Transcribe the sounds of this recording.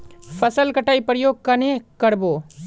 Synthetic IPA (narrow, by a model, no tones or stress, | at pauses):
fʰɐsəlkɐʈaːipɾəjoːɡ̚kɐnẽkɐɾboː